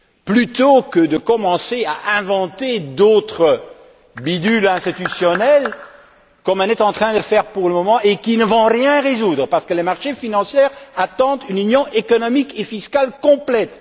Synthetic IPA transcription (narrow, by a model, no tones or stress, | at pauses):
plyt̪okəd̪əkɔmɑ̃seaʔɛ̃vɑ̃t̪ed̪ot̪χə | bid̪ylɛ̃st̪it̪ysjɔnɛl | kɔmɛ̃nɛt̪ɑ̃t̪χɛ̃d̪əfɛːʁpuʁləmɔmɑ̃ʔekinəvɔ̃ʁjɛ̃ʁezud̪ʁəpaʁsə̥kəlemaʁʃefinɑ̃sjɛːʁat̪ɑ̃t̪ynynjɔ̃ʔekɔnɔmikefiskalkɔ̃plɛt̪